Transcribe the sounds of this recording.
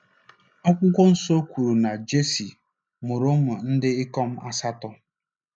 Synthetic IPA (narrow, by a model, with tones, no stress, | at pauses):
ɔ˦kʷʊ˦kʷɔ˦n̩˦so˦kʷu˨ɾu˨na˨d͡ʒe˦si˨ | mʊ˨ɾʊ˦mʊ˨n̩˦dɪ˦ɪ˦kɔ˦m̩˦ʔa˦sa˦tɔ˦